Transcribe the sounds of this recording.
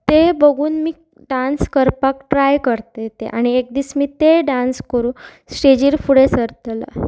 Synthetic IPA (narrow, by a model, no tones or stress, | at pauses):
t̪ebəɡʱuːnmiː | ɖanskəɾpakʈɾajkəɾt̪et̪eʔaɽ̃iek̚d̪iːsmiːt̪eɖãnskəɾũsʈed͡ʑiːɾfuɽesəɾt̪lə̰